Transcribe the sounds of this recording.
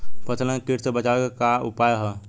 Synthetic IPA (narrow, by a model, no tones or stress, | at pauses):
pətʰlẽkiʈsebət͡ʃakaṵpajɦɛ